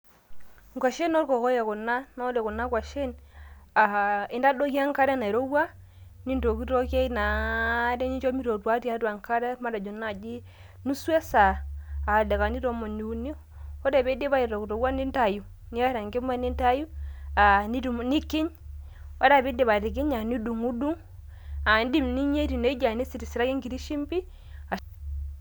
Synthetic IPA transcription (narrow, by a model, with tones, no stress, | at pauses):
ŋ˨kʷa˨ʃe˦no˦ɾkɔ˨ko˦ja˨ku˨nːa˦no˦de˨ku˨nːa˦kwa˨ʃe˦na˨i˦nda˦do˦ki˦a˦ŋka˦ɾɛ˦na˨i˨ɾo˦wa˦ | ni˦ndo˨ki˦ɾo˦ke˦i˦na˨de˦ɲi˦t͡ʃo˦mi˦ɾo˨ɾwa˦ti˦a˨˦ta˨ŋka˦ɾe˦ma˦da˨d͡ʒo˨na˨d͡ʒi˦ | nu˦su˦e˦saː˨ | da˨ka˨ni˦ɾo˦mo˨ni˨u˨˦ni˦ | ɔ˦ɾa˨βe˦de˦βa˦i˨ɾɔ˨u˨ɾo˨wa˦ni˦nta˨ju˨ | ni˦a˦ɾa˨ŋɡe˦m˦a˦ni˦nta˦ju˦a˨ni˦ɾu˨m˨ni˦ki˦ɲ | o˦ɾa˨βi˦de˨βa˨ɾi˨k̬i˦ɲa˨ni˦du˨ŋu˦du˦ŋ | a˨n˦di˦mni˦ɲe˦ɾi˨ne˦d͡ʒa˨ni˦si˨ɾi˨si˨ɾa˦ki˦ŋɡi˨ɾi˦ʃi˦mpi˦ | a˨